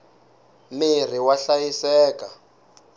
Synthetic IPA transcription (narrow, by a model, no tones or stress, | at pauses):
mir̤iwaɬajisɛːka